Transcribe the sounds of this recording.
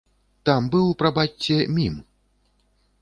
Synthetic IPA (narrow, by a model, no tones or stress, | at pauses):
t̪ambɨwpɾɐbatʲːɛmʲim